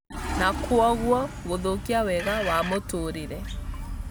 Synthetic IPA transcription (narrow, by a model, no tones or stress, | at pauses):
nakwɔɣwɔ | ɣoðokiawɛɣawamotoɾeɾɛ